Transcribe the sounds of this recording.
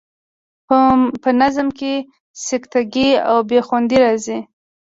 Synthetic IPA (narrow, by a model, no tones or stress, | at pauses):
pənazmke | sɪkt̪aɡia̰wbexwand̪iɾɑzi